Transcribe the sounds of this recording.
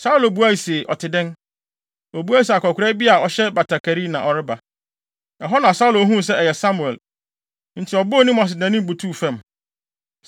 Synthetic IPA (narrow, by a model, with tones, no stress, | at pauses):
sa˦u˦lo˨bu˦a˦i˨se˨ʔɔ̰˨tʰɪ˨dɪ̃˦n | ɔ˨bu˦a˦i˨si˨a˨kɔ˨kʰʷʊ˨ɾɛ˦bi˦a˨ɔ˨ɕɛ˦ba˨tʰa˨kʰa˨ɾi˦nã˨ʔɔ˨ɾɪ˦ba˨ | a˨ɦɔ˦nã˨sa˦ʊ˦lo˦ɦũ˦˨s̬ɛ˦ɛ˨jɛ˨sa˦mũ˨ɛ˨l | n̩˦tʰɪ˨ɔ˨bʊ˦ɔ˦nĩ˦m˦ã˨s̬ɪ˨nã˨nĩ˦m˦bu˨tʰu˦˨fɛ̃˦˨m